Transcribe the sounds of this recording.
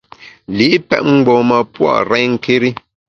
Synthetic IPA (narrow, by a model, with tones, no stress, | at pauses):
li˨˦ʔpɛ̰˦t̚ŋ͡m̩˦ɡ͡bɔː˨mə˨pwɔ̰˦˨ʔɾɛ˦ŋ̩˨ke˦ɾi˦